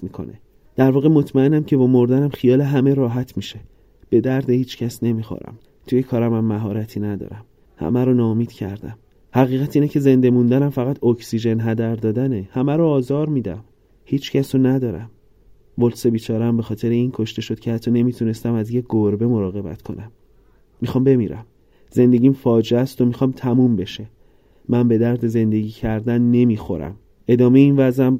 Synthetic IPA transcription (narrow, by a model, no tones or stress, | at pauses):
mikʰo̰nḛ | d̪̥æɾvɒːɣe̞mo̞t̪ʰmæe̞næmcʰe̞bɒːmo̞ɾd̪ænæmχxijɒːle̞ɦæme̞ɾɒːɦæt̪ʰmiʃe̞ | b̥e̞d̪æɾd̪ehiːt͡ʃcʰæsne̞miːxo̰ɾæ̰m | t̪ʰujekʰɒːɾæmæmːæɦɒːɾæt̪ʰinæd̪ɒ̰ːɾæm | hæ̰mæɾonɒːmiːd̪̥cʰæ̰ɾd̪æm | hæɣiːɣæt̪iːnecʰe̞ze̞nd̪e̞mund̪ænæmfæɣæt̪ʰokʰsiʒe̞nɦæd̪æɾd̪ɒːd̪ænehæmæɾoːzɒːɾmiːd̪æ̰m | hiːt͡ʃcæsonæd̪ɒːɾæm | volsebiːt͡ʃʰɒːɾeæmbe̞xɒːt̪ʰe̞ɾeiːnkʰo̞ʃt̪e̞ʃo̞d̪̥̚cʰe̞hæt̪ʰːɒne̞mit̪ʰune̞st̪æmæzje̞ɡoɾbe̞mo̞ɾɒːɣe̞bæ̰t̪ʰkʰo̞̰nʔæmː | ixɒːmbe̞miːɾæ̰m | z̥e̞nd̪e̞ɟiːmfɒːd͡ʒeæst̪omixɒːmt̪ʰæmumbe̞ʃe | mænbe̞d̪æɾd̪e̞ze̞nd̪e̞ɟiːcʰæɾd̪ænːe̞mixo̞̰ɾæ̰m | e̞d̪ɒːmeeiːnvæzæm